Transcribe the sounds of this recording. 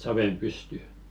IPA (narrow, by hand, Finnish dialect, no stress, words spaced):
sɑʋem pysty